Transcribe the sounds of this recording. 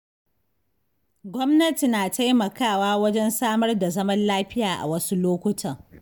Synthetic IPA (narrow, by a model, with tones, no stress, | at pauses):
ɡʷɔ˦mnɐ˦ti˨naː˨ta˦jmɐ˨kaː˦˨waː˦wɐ˦d͡ʒɛ˦nsaː˦mɐ˦rda˨zɐ˦mɐ˦nlaː˦ɸɪ˦jaː˨ʔa̰˨wɐ˦su˦loː˦kʷʊ˦tʰɐ˨ŋ